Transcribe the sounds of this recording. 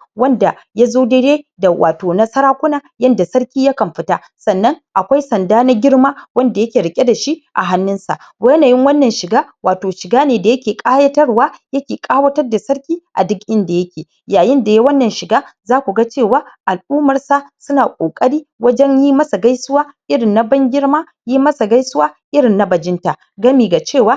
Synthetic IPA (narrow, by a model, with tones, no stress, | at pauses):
wɐ˦nda˨ | ja˦zoː˦de˦ɽeː˦da˨wʔa̰ː˨toː˨nɐ˦sɐ˦ɾaː˦kʷʊ˦naː˨jɐ˦nda˨sɐ˦ɽkʲiː˦ja˦kɐ˨mɸɪ˦ta˦ | sɐ˨nːɐ˦ŋʔa˨kʷa˦jsɐ˨ndaː˦na˦ɡʲɪ˦ɽmaː˦wɐ˦nda˨jɐ˦kʲeː˨ɾɪ˨kʲʼe˦da˨ʃi˦ʔa̰˨ɦa˦nːɪ˦nsa̰˨ʔ | ba˦jɐ˦naː˨jɪ˦ŋwɐ˦nːɐ˨nʃɪ˨ɡaː˦waː˨toː˨ʃɪ˨ɡaː˦neː˨da˨jɐ˦kʲeː˨kʼaː˦jɐ˦tɐ˦rwaː˦jɐ˦kʲeː˨kʼaː˦wɐ˦tɐ˦rda˨sɐ˦ɽkʲiː˦ʔa̰˨dʊ˦kʔɪ˦nda˨jɐ˦kʲeː˨ | jaː˨jɪ˦nda˨ja˦wɐ˦nːɐ˨nʃɪ˨ɡaː˦zaː˦kʷu˨ɡa˦t͡ʃeː˦˨waː˦ʔa˨lʔuː˦mɐ˨rsa˨sʊ˦naː˨kʷʼoː˨kʼɐ˦ɽiː˦wɐ˦d͡ʒɛ˦ɲjiː˦mɐ˦sa˨ɡa˦jsʊ˦waː˦ʔɪ˦ɽɪ˨nːa˦bɐ˦ŋɡʲɪ˦ɽmaː˦ | jiː˦mɐ˦sa˨ɡa˦jsʊ˦waː˦ʔɪ˦ɽɪ˨nːa˦bɐ˨d͡ʒɪ˦nta˨ | ɡɐ˦miː˨ɡa˨t͡ʃeː˦˨waː˦